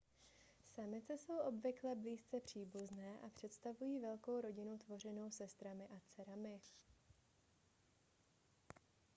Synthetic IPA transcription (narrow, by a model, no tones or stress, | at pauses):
samɪt͡sɛso̞wʔo̞bvɪklɛbliːst͡sɛpr̝̥iːbuznɛːʔapr̝̥ɛt̪st̪avujiːvɛlko̞wɾo̞ɟɪnut̪vo̞r̝ɛno̞wsɛst̪ɾamɪʔat͡sɛɾamɪ